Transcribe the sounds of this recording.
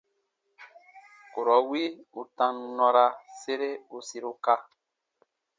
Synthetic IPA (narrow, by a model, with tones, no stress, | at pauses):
ko˨ɾɔ˨˦wi˦u˨tã˦nnɔ̃˦ɾa˦se˦ɾe˦o˨si˦ɾo˦ka˦